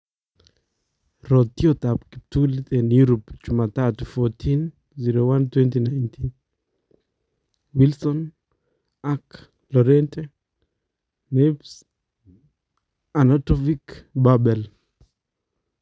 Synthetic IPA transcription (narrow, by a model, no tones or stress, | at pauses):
ɾɔt̪ːjot̪apkitulit̪enjuɾopd͡ʒumat̪atfɔtʰin | ziɾowantwɛntinajntʰin | wilsɔn | ak | lɔɾɛntɛ | neps | anatɔvikbabɛl